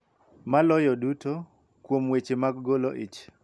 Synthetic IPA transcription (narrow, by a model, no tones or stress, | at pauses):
malɔjɔduto | kwomwet͡ʃemaɡɡoloʔɪt͡ʃ